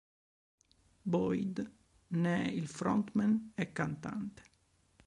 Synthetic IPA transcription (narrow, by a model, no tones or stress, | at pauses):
bɔjd̪ | nɛilfɾɔnt̪mɛnɛkːant̪a̰nt̪ə̥